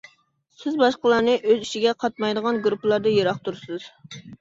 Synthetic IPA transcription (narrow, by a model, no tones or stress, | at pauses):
sɪzbɑʃqəlˠɑɾnɨʔøziʃiɡʲɛqʰɑt̪̚mɑjd̪əʁɑnɡɾuplˠɑɾd̪ɑjeɾɑχt̪uɾsɨz̥